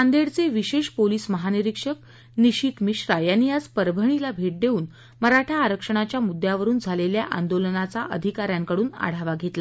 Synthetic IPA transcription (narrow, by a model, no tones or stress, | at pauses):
and̪eɽt͡seʋiɕeʂpoliːsməɦaniɾikʂək̚ | niɕit̪miɕɾajanːiad͡zpəɾbʱəɳ̃ilabʱeʈ̚d̪euːn | məɾaʈʰaːɾəkʂəɳ̃at͡ɕjamud̪jaʋəɾuːnd͡zʱaleljaʔa̰nd̪olənat͡saʔə̰d̪ʱikaɾjaŋkəɽuːna̰ɽ̤aʋaɡʱet̪la